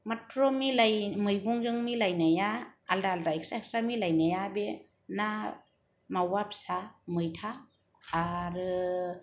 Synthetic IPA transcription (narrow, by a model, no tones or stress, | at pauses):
matɾɔmilajmɯjɡuŋzɯŋmilajnajaːldaldaiksak̚samilajnajabe | na | mawapsamɯjtʰaː | ɾɯ